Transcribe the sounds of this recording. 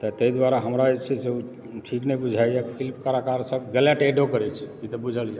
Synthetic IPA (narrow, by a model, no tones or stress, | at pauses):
t̪ət̪əid̪waɾaɦəmɾaet͡ʃʰɛseu | ʈʰiknəjbud͡ʒʱajapʰilpkəɾakaɾsəb̚ʱɡəljaʈeɖokəɾɛt͡ʃʰkit̪əbud͡ʒʱəlja